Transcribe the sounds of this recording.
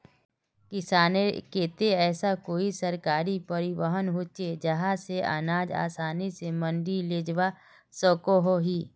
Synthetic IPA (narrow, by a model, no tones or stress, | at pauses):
kɪsaːnekeːt̪eɛːsakoːisəɾkaːɾipəɾiwəɦənɦoːt͡ʃed͡ʒəɦãseʔa̰ːnaːd͡ʒa̰ːsaːnisemə̃nɖileːd͡ʒʋa | sɔːkoɦoɦiː